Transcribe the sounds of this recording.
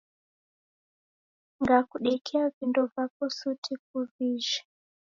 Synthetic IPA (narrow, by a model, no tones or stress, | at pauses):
ŋɡakuɗɛkʰiavindovaposutʰik̚uviːʒḁ